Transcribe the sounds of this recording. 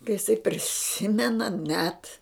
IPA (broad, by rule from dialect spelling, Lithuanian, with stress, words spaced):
kɐ ɪˈsɐɪ pʲrʲɪˈsʲɪmʲɛnɐ nʲɛt